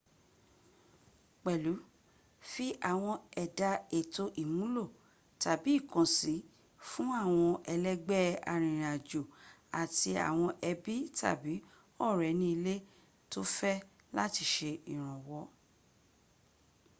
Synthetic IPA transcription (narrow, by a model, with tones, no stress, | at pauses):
k͡pɛ˨lu˨˦ | fi˦ʔa˦˨w̃ɔ̃˧ɛ˨da˧e˨to˧ʔi˨mũ˨˦lo˦˨ | ta˨bi˨˦˨kã˨si˨˦ | fũ˦a˦˨w̃ɔ̃˧ʔɛ˧lɛ˦ɡ͡bɛ˦a̰˨ɾ̃ĩ˨ɾ̃ĩ˨a˨d͡ʒo˨ | a˨ti˧a̰˨w̃ɔ̃˧ʔɛ˧bi˦tʰa̰˦˨bi˨˦ | ɔ˦˨ɾɛ˨nĩ˧˦i˧le˦ | to˦fɛ˦ | la˦ti˧˦ʃe˧i˨ɾ̃ã˨wɔ˧˦